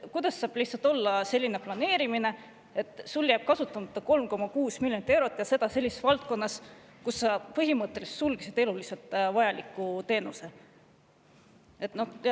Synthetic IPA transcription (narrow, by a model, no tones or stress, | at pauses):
kujd̪̥ɑsːɑːb̥liht̪sɑlt̪ːˑo̞lːɑse̞lʲːine̞plɑne̞ːɾimine̞ | e̞t̪ːˑsulːjæːb̥̚kɑsut̪ːˑɑmɑt̪ːˑɑko̞lmko̞mɑkuːsmilʲjonit̪e̞wɾo̞t̪ːˑjɑse̞d̪̥ɑse̞lːisesvɑlt̪̚ko̞nːɑs | kusːɑpɤɦimɤt̪ˑːe̞lise̥t̪sulɡ̥isid̪̥e̞lulise̞lt̪ˑvɑjɑlikːˑut̪e̞ːnuse̞ | e̞t̪no̞h